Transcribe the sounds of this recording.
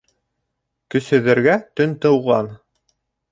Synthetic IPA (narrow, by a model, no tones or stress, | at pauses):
kɵ̆sɵ̆ðɘ̆ɾɡæt̪ɵnt̪ɤ̆wʁɑn